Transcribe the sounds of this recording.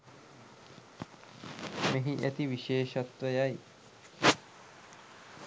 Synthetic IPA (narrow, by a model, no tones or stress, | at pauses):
meɦĩʔet̪iʋiʃeːʃɐt̪ʋejaj